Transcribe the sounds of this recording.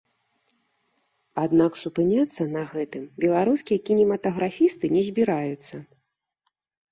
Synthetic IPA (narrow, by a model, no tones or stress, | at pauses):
ad̪naksupɨnʲat̪sːɐnɐɣɛt̪ɨmbʲɛlˠaɾuskʲijɐkʲinʲɛmɐt̪ɐɣɾafʲist̪ɨnʲɛzʲbʲiɾajut̪sːɐ